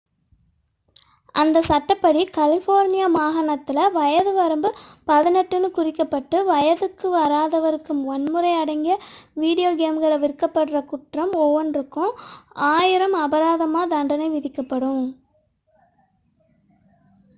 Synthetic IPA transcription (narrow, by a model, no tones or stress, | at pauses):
ʔɐnd̪ɐsɐʈːɐpːɐɽikɐlɪfoːɾnɪjamaːɣɐɳɐt̪ːɪlɐʋɐjɐðɯʋɐɾɯmbɯpɐðɪnɛʈːɯnɯkʊrɪkːɐpːɐʈːɯʋɐjɐðɯkːɯʋɐɾaːðɐʋɐɾɯkːɯmʋɐnmɯɾɐɪɐɽɐŋɡɪjɐʋiːɽɪjoːɡeːmɡɐɭɐʋɪɾɯkːɐpːɐɽrɐkʊʈrɐmɔʋɐnɾɯkːʊ̃aːjɪɾɐmɐbɐɾaːðɐmaːd̪ɐɳɖɐnɐɪʋɪðɪkːɐpːɐɽɯm